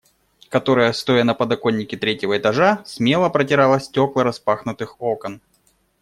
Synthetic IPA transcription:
kɐt̪o̞ɾəjəst̪o̞jənɐpəd̪ɐko̞nʲːɪkʲɪt̪ɾʲetʲɪvəɪt̪ɐʐasʲmʲe̞lˠəpɾətʲɪɾalˠəsʲtʲo̞klˠəɾɐspaxnʊt̪ɨxo̞kən

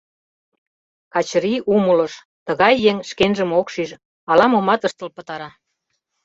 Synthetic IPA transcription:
kɑt͡ɕɾiʔuməlɤ̆ʃ | t̪ə̆ɣɑjːeŋʃkenʒə̆mokʃiʃ | ɑlɑmomɑt̪əʃt̪ə̆lpə̆t̪ɑɾɑ

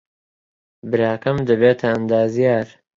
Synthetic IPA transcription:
bɨɾaːkɐmd̪ɐbeːt̪ʰɐɐnd̪aːzijaːɾ

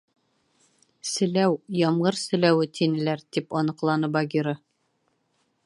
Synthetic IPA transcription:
sɘ̆læwjɒmʁɤɾsɘ̆læwɘt̪ʰinɘ̆læɾt̪ipɒnɤ̆qlˠɑnɤbɑɡʲiɾɤ

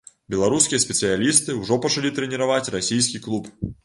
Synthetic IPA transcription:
bʲɛlˠaɾuskʲijɐsʲpʲɛt̪sɨjalʲist̪ɨwʐɔpɐt͡ʂalʲit̪ɾɛnʲɛɾavat͡sʲrasʲijskʲiklˠup

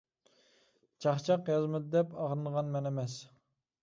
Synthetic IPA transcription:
t͡ʃʰɑχt͡ʃʰɑqjɑzmɨd̪ɨd̪ɛpɑʁɾɨnəʁɑnmɛnɛmɛs

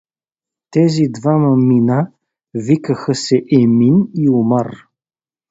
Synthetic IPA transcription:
t̪ɛzid̪vamɐmina | vikəxəsɛʔɛminiumar

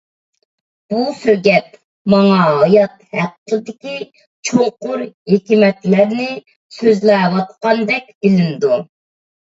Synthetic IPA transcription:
b̥usøɾɡʲɛt̪̚ | mɑŋɑɦɑjɑt̪hæqʰːd̪ɪkʲi | t͡ʃʰoŋqʊɾhekʲimɛt̪læɾnɪ | søzlɛːwɑt̪qɑnd̪ɛk̚ʲbɪlɪnd̪u

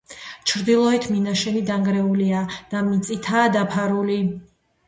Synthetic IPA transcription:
t͡ʃʰɾd̪ilˠɔɛt̪ʰminaʃɛnid̪aŋɡɾɛuliad̪̥amit̪sʼit̪ʰaːd̪apʰaɾuli

